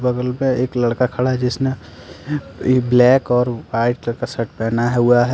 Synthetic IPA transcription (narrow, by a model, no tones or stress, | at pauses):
bəɡəlmẽeːklɐɽkakʰɐɽaɦɛd͡ʒɪsne | blɛːkɔːɾwaːɪʈkasɐʈpɛːnaɦɛɦuaɦɛ